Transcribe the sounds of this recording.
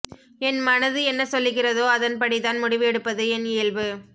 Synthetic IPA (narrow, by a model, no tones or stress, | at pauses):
ɛnmɐnɐðɯɛnːɐsɔlːɯɣɪrɐðoːɐðɐnpɐɽit̪aːnmʊɽɪʋɯɛɽɯpːɐðɯɛnɪːɭʋɯ